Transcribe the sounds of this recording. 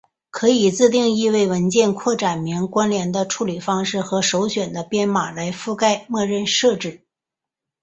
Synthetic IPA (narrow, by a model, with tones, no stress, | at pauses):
kʰɤ˧˥i˨˩t͡sɹ̩˥˧t̪̬i˥˧ŋi˥˧we˥˩ɪwə˧˥nt͡ɕjɛ˥˧nkʰwɔ˥˩ʈ͡ʂa˨˩nmi˧˥ŋkwa˥nljɛ˧˥nd̪ə˧ʈ͡ʂʰu˥˩li˨˩fɑ˥ŋʂɻ̩˥˩xɤ˧˥ʂo˧˥ʊɕɥɛ˨˩nd̪ə˦pjɛ˥nma˨˩la˧˥ɪfu˥˧ka˥˧ɪmɔ˥˧ɻə˥˧nʂɤ˥˧ʈ͡ʂɻ̩˥˩